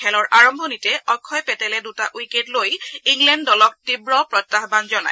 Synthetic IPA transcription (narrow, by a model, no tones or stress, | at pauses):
ɛlɔɹʔaɹɔmbʱɔnitɛɔkʰɔjpɛtɛlɛdutaʔujketlojiŋlɛndɔlɔk̚tibɹɔpɹɔtːaɦbanzɔna̰j